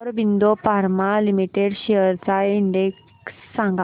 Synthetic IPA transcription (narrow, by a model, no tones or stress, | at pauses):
ɾbind̪ofaɾmalimiʈeɽɕejəɾt͡saiɳɖek | sːãŋɡa